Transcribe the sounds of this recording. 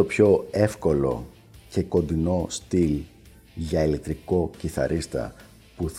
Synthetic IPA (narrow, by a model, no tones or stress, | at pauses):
o̞pço̞e̞fko̞lo̞̰ | ce̞ko̞nd̪ino̞st̪il | ʝɐelit̪ɾiko̞ciθɐ̰ɾʔist̪ɐ̰ | pu